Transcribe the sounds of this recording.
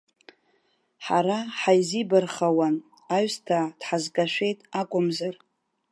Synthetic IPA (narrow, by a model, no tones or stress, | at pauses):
ħaɾaħajzibɨrχawan | aɥstʰad̥ħazɡʼaʃʷᶣe̞jtʼakʷʼʊmzar